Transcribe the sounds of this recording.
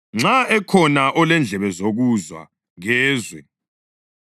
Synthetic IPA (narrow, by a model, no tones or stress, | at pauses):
ŋ͡ǀaɛkʰɔnaʔɔlɛnd͡ɮʱɛβɛzoɣuzwa̰ | ɣɛːzwɛ